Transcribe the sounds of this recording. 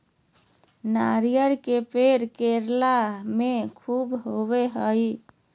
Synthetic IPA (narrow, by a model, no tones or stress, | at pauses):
naɾijəɾkepeɾkeɾlamekʰubɦoβeɦəj